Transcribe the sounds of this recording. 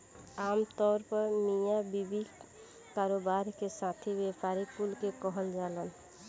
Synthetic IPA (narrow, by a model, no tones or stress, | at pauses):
amt̪ɔɾpɔɾmijabibi | kaɾobaɾkesãt̪ʰibepaɾipulkekɔɦɔnd͡ʒalɔn